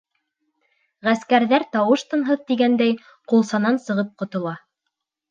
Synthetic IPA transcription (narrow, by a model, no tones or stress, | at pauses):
ʁæskæɾðæɾt̪ɑwɤʃt̪ɤ̆nɦɤðt̪iɡænd̪æj | qulˠsɑnɑnsɤ̆ʁɤp̚qŏt̪ŏlˠɑ